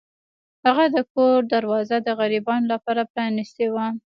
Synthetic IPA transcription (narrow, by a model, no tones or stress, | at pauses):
haɣad̪əkoɾd̪aɾwɑzad̪əɣaɾibɑnolapɑɾapɾɑnɪst̪ewa